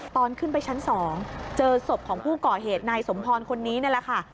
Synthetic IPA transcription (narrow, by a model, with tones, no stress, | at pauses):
t̪ɔː˧nkʰɯ˥˩npa˧jt͡ɕʰa˦˥nsɔː˩˦ŋt͡ɕɤː˧so˨˩p̚kʰɔː˩˦ŋpʰuː˥˩kɔː˨˩ɦeː˨˩t̪̚naː˧jso˩˦mpʰɔː˧nkʰo˧nːiː˦˥ni˥˩lɛ˨˩kʰa˥˩